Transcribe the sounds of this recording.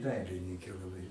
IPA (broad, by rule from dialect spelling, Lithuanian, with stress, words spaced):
ˈdɐɪlʲɪnʲɪŋʲkʲeː lˠɐˈbɐɪ